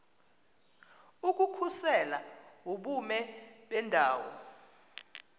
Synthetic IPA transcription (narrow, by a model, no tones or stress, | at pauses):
uk̬ukʰusɛlawoɓumɛɓɛndʱaːwɔ